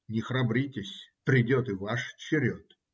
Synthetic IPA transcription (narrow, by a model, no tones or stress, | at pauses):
nʲɪxɾɐbɾʲitʲɪsʲpɾʲɪdʲo̞t̪ɨvaʂt͡ɕɪɾʲot̪